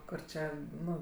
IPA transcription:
ˈkʊr t͡ʃʲɛ ˈnʊ

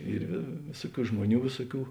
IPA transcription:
ˈiːr ʋʲeː ˈʋʲeːsuɔˌkʲuː ˈʒmuɔˌnʲuː ˈʋʲeːsuɔˌkʲuː

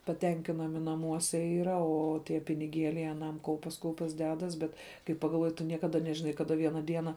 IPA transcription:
pɐˈtʲɛŋʲkʲɪnɐmʲɪ nɐˈmuɔsʲɛ ˈiːrɐ ˈoː ˈtʲiɛ pʲɪnʲɪˈɡʲeːlʲɛɪ ɐˈnɐm ˈkɐʊpʲɛs ˈkɐʊpʲɛs ˈdʲæːdɐs ˈbʲɛt kɐɪ pɐɡɐlˠˈʋuɔjɪ tʊ ˈnʲiɛkɐdɐ nʲɛʒʲɪˈnɐɪ kɐˈdɐ ˈʋʲiɛnɐ ˈdʲiɛnɐ

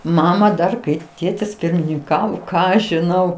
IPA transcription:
ˈmɑːmɐ dɐr ˈkɐɪ ˈtʲeːtʲɪs pʲɪrʲmʲɪnʲɪŋˈkɑːʋoː ˈkɑː ɐʃ ʒʲɪˈnɐʊ

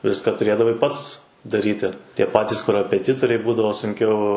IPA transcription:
ˈʋʲɪskɐ tʊˈrʲeːdɐʋɐɪ ˈpɐts dɐˈrʲiːtʲɪ tʲiɛ ˈpɑːtʲɪs koːrɐpʲɛˈtʲɪtoːrʲɛɪ ˈbuːdɐʋoː sʊŋʲˈkʲɛʊ

